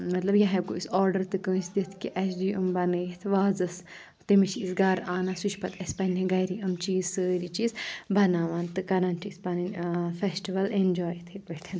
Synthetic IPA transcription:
mɐt̪lɐbjɐɦɐb̚koisɔːɾɖɐɾt̪ɨkəːsd̪it̪ʰkiʔɐsd̪iːɐmbɐnɨjit̪ʰʋaːzɐs | t̪imiʃisɡɐɾaːnɐsuʃpɐt̪ʰɐsʲpɐnʲiɡɐɾiɐmt͡ʃiːzsəːɾit͡ʃiːzbɐnaːʋaːnt̪ɨkɐɾɐnt͡ʃʰispɐninfesʈiʋɐlend͡ʒɔːjt̪ʰibɐʈʰɐn

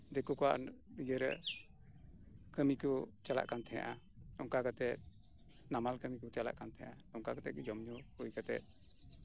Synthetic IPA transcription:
d̪ɛkukɔaʔnid͡ʒəɾɛ̰ | kəmikɔt͡ʃala̰ʔkant̪ʰɛja̰ʔa | ɔŋkaɡat̪ɛt̪̚ | namalkəmikut͡ʃala̰ʔkant̪ʰɛ̃jã̰ʔa | ɔŋkaɡat̪ɛt̚d͡ʒɔmɲɔkujkat̪ɛ̰t̪̚

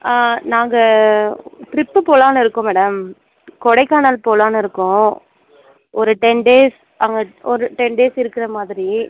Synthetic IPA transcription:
anaːŋɡɐ | ʈɾɪpːɯpoːlaːnɐɪɾɯkːʊ̃mɛːɽɐm | kɔɽɐɪkːaːnaːlpoːlaːnɐɪɾɯkːʊ̃ | ʔɔɾɯʈɛɳɖeːs | ɐŋɡɐɔɾɯʈɛɳɖeːsɪɾɯkːɪɾɐmaːðɪɾi

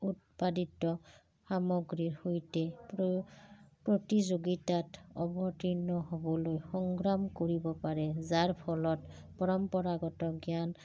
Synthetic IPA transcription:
utpaditɔ | xamɔɡɹiɹhojtɛ | pɹotizoɡitatɔbɔtinɔɦobɔlojxɔŋɡɹamkoɹibɔpaɹɛzaɹpʰɔlɔt | pɔɹɔmpɔɹaɡɔtɔɡjan

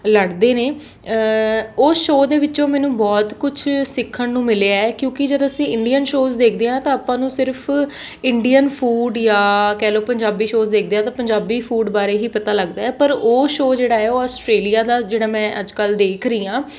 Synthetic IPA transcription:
ləɽd̪eːneː | oːsʃoːd̪eːʋɪt͡ʃõːmɛ̃ːnũːbɔːt̪kʊt͡ʃʰsɪkʰːəɳnũːmɪleaːɛːkjõːkɪd͡ʒəd̪əsĩːɪɳɖijənʃoːzd̪eːk̚ʰd̪eːɦãːt̪ãːaːpãːnũːsɪɾpʰ | ɪɳɖijənpʰuːɖjaːkɛːloːpəɲd͡ʒaːbiːʃoːzd̪eːk̚ʰd̪eːaːt̪ãːpəɲd͡ʒaːbiːpʰuːɖbaːɾeːɦiːpət̪aːləɡd̪aːɛːpəɾoːʃoːd͡ʒeːɽaːɛːoːɔːsʈɾeːlijaːd̪aːd͡ʒeːɽaːmɛ̃ːʔəd͡ʒkəld̪eːkʰɾəiːãː

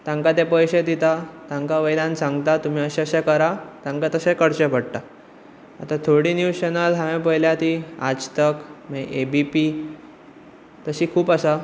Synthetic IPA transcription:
t̪ãŋkat̪epəjɕed̪it̪at̪ãŋkaʋəjlãnsãŋɡt̪at̪um̤iːəɕɛəɕekəɾat̪ãŋkat̪əsẽkəɽt͡ɕepəɽʈ̪a | a̰t̪at̪ʰoɽiːnjuwt͡ɕenəlɦaʋẽpəjljat̪iːad͡ʑt̪əkmẽʔebipi | t̪əɕiːkʰuːpasa

